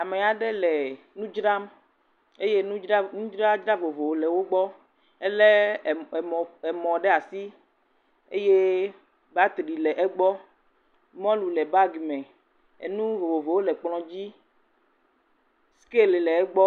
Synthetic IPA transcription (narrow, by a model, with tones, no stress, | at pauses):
a˨me˨a˨ɖe˦lɛ˨ | nũ˦d͡ʒɾa˦m | e˦je˦nũ˦nũ˦d͡ʒɾa˦d͡ʒɾa˦vo˨vo˨wlɛ˨wo˦ɡ͡bɔ˦ | e˦lɛ˦˨ | ɛ˨mɔ̃˨ɖɛ˦a˨si˦ | ḛ˦je˦ | ba˦t̪ɾi˨lɛ˨ʔɛ˦ɡ͡bɔ˦ | mɔ̃˦lu˨lɛ˨ba˦ɡmɛ̃˨ | ḛ˨nũ˦vo˨vo˨vo˨wo˦lɛ˨k͡plɔ̃˨d͡ʑi˦ | ske˦le˨lɛ˨ɛ˦ɡ͡bɔ˦